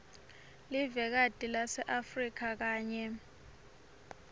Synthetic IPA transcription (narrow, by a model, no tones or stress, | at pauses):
livɛk̬ad̥ʼʱilasɛʔafrik̬ʰak̬aːɲɛ